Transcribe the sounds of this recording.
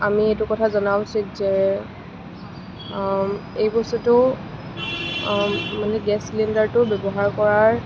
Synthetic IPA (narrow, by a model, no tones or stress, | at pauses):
amietʊkɔtʰazɔnawsizɛ | ejbɔsutʊ | manɛɡɛslindaɹtʊbjɔbɔɦaɹkɔɹaɹ